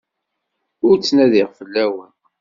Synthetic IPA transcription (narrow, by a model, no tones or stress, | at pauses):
ʊɾt͡sːnæðiʁfəlːæwən